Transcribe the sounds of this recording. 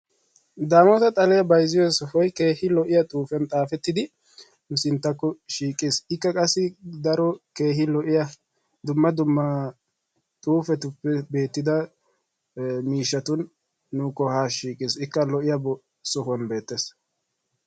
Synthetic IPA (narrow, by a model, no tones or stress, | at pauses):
d̪aːmɔt̪ɐt̪ʼɐlɛjɐbɐjzɪjɔsɔhɔjkeːhɪlɔʔɪjɐt̪ʼuːfɛnt̪ʼaːfɛt̪ːɪd̪ɪ | nʊsɪnt̪ːɐkːɔʃiːkʼːɪsɪkːɐkʼɐsːɪd̪ɐɾɔke̞ːɦɪlɔʔɪjɐ | d̪ʊmːɐd̪ʊmːɐ | t̪ʼuːfɛt̪ʊpːɛbe̞ːt̪ːɪd̪ɐ | miːʃːɐt̪ʊnː | ʊkɔhaːʃiːkʼɪsɪkːɐlɔʔɪjɐbɔ | sɔɦɔnbe̞ːt̪ːeːs